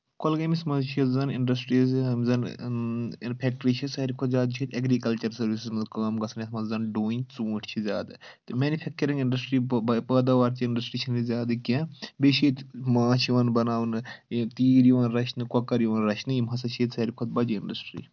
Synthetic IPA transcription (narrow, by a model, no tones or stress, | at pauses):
kolɡɐmismɐzt͡ʃʰiɐzɐniɳɖɐsʈɾizmzɐn | npʰʲeːk̚ʈɾiːt͡ʃʰɐsɐɾikʰɔt̪zʲaːd̪̚t͡ʃʰit̪ʲɐɡɾikɐlt͡ʃɐɾsɐɾʋisizmɐzkɐːmɡɐsʰɐnjɐsmɐzzɐnɖoːinʲt͡suːʈʰt͡ʃʰizʲa̰ːd̪ɨt̪ɨmʲenipʰeːk̚t͡ʃɐɾĩŋɡiɳɖɐsʈɾipəːd̪aːʋaːɾt͡ʃiiɳɖɐsʈɾiːt͡ʃʰinizʲaːd̪ɨkẽbet͡ʃʰiːt̪maːt͡ʃʰiʋɐnbɐnaːʋnɨt̪iːɾiʋɐnɾɐt͡ʃʰnɨkɐkɐɾjiʋɐnɾɐʃʰnɨjimɦɐsɐt͡ʃʰiːt̪sɐɾikʰot̪̚bɐd͡ʒiiɳɖɐsʈɾḭː